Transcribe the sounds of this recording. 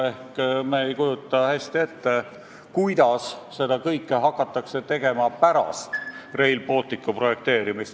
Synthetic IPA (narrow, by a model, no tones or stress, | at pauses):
e̞hkmeejkujut̪ˑːɑhæsʲt̪ie̞t̪ːe | kujd̪ɑsː | e̞d̪ɑkɤjkːeɦɑkˑːɑt̪ːˑɑkse̞t̪e̞ɡ̥e̞mɑpæɾɑ̰st̪re̞jlbo̞lt̪ːˑikːˑupro̞je̞k̚t̪e̞ːɾimist̪